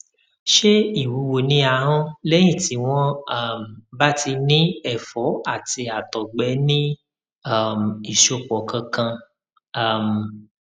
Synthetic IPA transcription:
ʃe˦i˦˨wu˨˦wo˨nĩ˦a˧ɦɔ̃˦lɛ˦j̃ĩ˦˨ti˨˦w̃ɔ̃˦a˨m̩˨ba˦ti˧nĩ˦ɛ˦˨fɔ˨˦a˦˨ti˧a˨tɔ˨ɡ͡bɛ˨˦nĩ˦ | a˦˨m˨i˦˨ʃo˧˨k͡pɔ˨kʰã˧kã˧ | a˦˨m˨

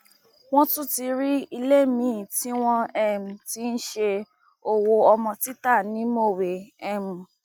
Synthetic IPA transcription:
w̃ɔ̃˦tũ˦ti˧ɾi˦i˧le˦˨mĩ˨˦˨ti˦w̃ɔ̃˧ɛ˦m̩̃˨ti˨˦n̩˦ʃe˧ | o˦˨wo˧ɔ˧mɔ̃˧ti˦ta˦˨nĩ˨˦mo˦˨we˨ɛ˨mũ˨

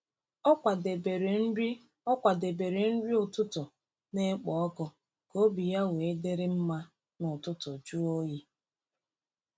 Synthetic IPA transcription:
ɔ˦a˨dbe˨ɾ̩˨˦ | ɔ˦kʷa˨de˨be˨ɾe˨n̩˦ɾi˦ʊ˨tʊ˦tʊ˨ | ne˦k͡pɔ˨ɔ˦kɔ˨ | ko˦bi˨ja˦we˨e˦de˦ɾɪ˦m̩˦ma˦ | nʊ˨tʊ˦tʊ˨d͡ʒu˦o˦ji˦

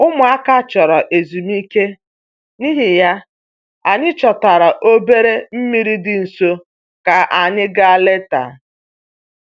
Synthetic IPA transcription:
ʊ˦mʊ˨a˦ka˦˨t͡ʃɔ˨ɾɔ˨ʔe˨zu˨m˦i˦ke˦ | ni˦ɦɪ˨ja˦ | a˨ɲɪ˦t͡ʃɔ˨ta˨ɾa˨ʔo˦be˦ɾe˦m̩˦mi˦ɾi˦dɪ˨n̩˨so˦ | ka˨ʔa˨ɲɪ˦ɡa˦le˦ta̰˨

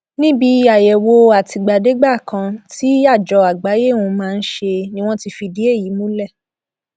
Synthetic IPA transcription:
nĩ˦bi˧˦a˨jɛ˨wo˧a˨ti˧ɡ͡ba˨de˨˦ɡ͡ba˦˨kã˧ti˦a˦˨d͡ʒɔ˨˧a˨ɡ͡ba˨˦je˦˨wũ˧mãː˦˧n̩˦ʃe˧nĩ˦w̃ɔ̃˦ti˧fi˧di˨˦e˦˨ji˨˦mũ˦lɛ˦˨

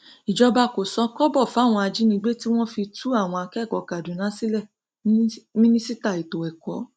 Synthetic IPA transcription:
i˨d͡ʒɔ˧ba˧ko˨sɔ˧kɔ˦bɔ˦˨fa˨˦˨w̃ɔ̃˧a˧d͡ʒi˨˦nĩ˧ɡ͡be˦ti˦w̃ɔ̃˦fi˧tu˦a˦˨w̃ɔ̃˧a˧kɛ˦˨kɔ˨ka˨du˨˦nã˨˦si˦lɛ˦˨ | mĩ˦nĩ˦si˦ta˦˨i˨to˨ɛ˨kɔ˨˦

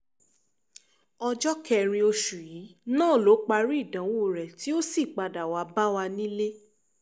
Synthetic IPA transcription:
ɔ˧d͡ʒɔ˦kʰɛ˧ɾ̃ĩ˧o˧ʃu˨ji˨˦nãː˦˨lo˨˦k͡pa˧ɾi˦i˦˨dã˨˦wo˦˨ɾɛ˨ti˨˦o˦si˦˨k͡pa˧da˨wa˧ba˦wa˧nĩ˦le˦

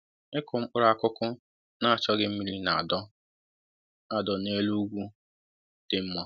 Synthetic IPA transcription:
ɪ˦kʊ˨m̩˦k͡pʊ˦ɾa˨kʊ˦kʊ˦ | na˦a˨t͡ʃɔ˦ɡɪ˦m̩˦mi˦ɾi˦na˨a˨dɔ˦ | a˨dɔ˨ne˦lu˦ɡʷu˦ | d̥ɪ˦m̩˦mɔ˦˨

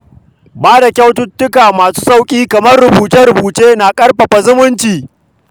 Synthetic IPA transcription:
baː˦da˨kʲa˦wtʊ˦tːʊ˦kaː˨maː˨su̥ː˦sʼa˦wkʲʼiː˦kɐ˨mɐ˦rɽʊ˨buː˨tɐ˦ɾʊ˨buː˨t͡ʃeː˦naː˨kʼɐ˦rɸɐ˨ɸa˨zʊ˦mʊ˦nt͡ʃiː˨

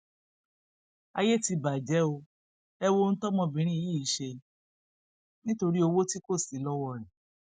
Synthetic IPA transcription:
a˧je˦ti˧ba˨d͡ʒɛ˨˦o˧ | ɛ˧wo˦˧n̩˦tɔ˦mɔ̃˧bĩ˨˦ɾ̃ĩ˦i˧ji˦˨i˨˦ʃe˧ | nĩ˦to˧ɾi˦o˧wo˦ti˦ko˦˨si˨˦lɔ˦wɔ˧ɾɛ˨

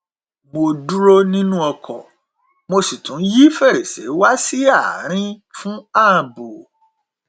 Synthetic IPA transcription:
mo˧du˦ɾo˦nĩ˦nũ˦ɔ˧kʰɔ˨ | mo˧si˨tũ˨˦ji˦fɛ˦˨ɾe˨sḛ˨˦wa˦si˦a˦˨ɾ̃ĩ˦fũ˦a˦˨bo˨

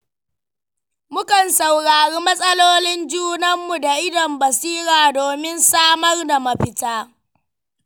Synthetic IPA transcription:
mʊ˦kɐ˨nsa˨wɽaː˨ɽiː˦mɐ˦sʼɐ˦loː˦lɪ˦nd͡ʒuː˦nɐ˦mːu˨da˨ʔɪ˦dɐ˨mbɐ˨siː˦ɾaː˨doː˨mɪ˦nsaː˦mɐ˦rda˨mɐ˦ɸɪ˦taː˦

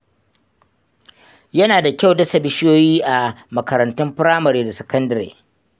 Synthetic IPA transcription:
jɐ˦naː˨da˨kʲa˦˨wdɐ˦sɐ˨bɪ˦ʃɪ˦joː˦jiː˦ʔa˨mɐ˨kɐ˨ɾɐ˨ntʊ˦mpɪ˦ɾaː˦mɐ˨ɾeː˨da˨sɐ˨kɐ˦ndɐ˨ɾḛː˨

